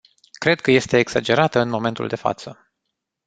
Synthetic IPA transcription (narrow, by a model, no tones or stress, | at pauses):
kɾe̞d̪̚kəje̞st̪e̞ːɡsad͡ʒe̞ɾat̪əɨnmo̞me̞nt̪ṵld̪e̞fa̰t̪sə